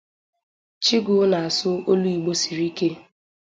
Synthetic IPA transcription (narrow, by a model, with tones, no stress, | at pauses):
t͡ʃi˦ɡʊ˨˦na˨a˨sʊ˦o˦lu˦i˨ɡ͡bo˦si˨ɾi˦ke˦